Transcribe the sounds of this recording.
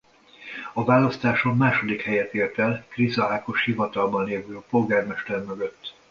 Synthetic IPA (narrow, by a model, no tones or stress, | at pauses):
ɒvaːlɒst̪aːʃo̞mːaːʃo̞d̪ikhɛjɛt̪eːrt̪ɛlkrizɒaːko̞ʃhivɒt̪ɒlbɒnleːvøːɒpo̞lɡaːrmɛʃt̪ɛrmøɡøt̪ː